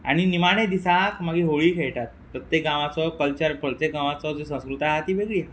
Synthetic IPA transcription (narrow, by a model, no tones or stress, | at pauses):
aɽ̃inimaɽ̃ed̪isakmaɡiɦoɭiːkʰeɭʈ̪at̪̚ːəɾt̪ekɡãʋat͡sɔkəlt͡ɕəɾpʰəɭt̪ekɡãʋat͡sɔd͡zisə̃skɾut̪aɦat̪iːʋeɡɭiː